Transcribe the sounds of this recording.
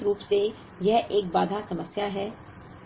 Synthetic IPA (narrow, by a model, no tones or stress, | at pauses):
ɾuːpse | jɛɦʔeːkbaːd̪ʱasɐməsjaɦɛː